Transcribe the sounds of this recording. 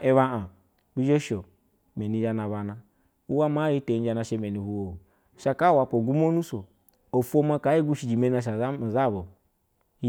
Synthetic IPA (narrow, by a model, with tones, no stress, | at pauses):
e˦βa˦a˨ | bi˦d͡ʒe˦ʃo˨ | me˨ni˨˦d͡ʒa˦na˨βa˨na˦ | u˦wa˦ma˦i˦te˨˦n˦d͡ʒa˧˦na˧˨ʃe˦me˨ni˨hu˦wo˨u˨ | ʃa˨ka˦˨wa˨po˨ɡu˦mo˦nu˦so˨ | o˨fu˦o˦ma˦ka˨˦i˦ɡu˦ʃi˨d͡ʒi˨me˦a˨ʃ̬a˨˦˨za˦˨bo˨˦